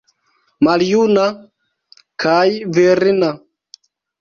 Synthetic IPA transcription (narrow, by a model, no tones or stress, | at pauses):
maljuna | kʰajvɛɾina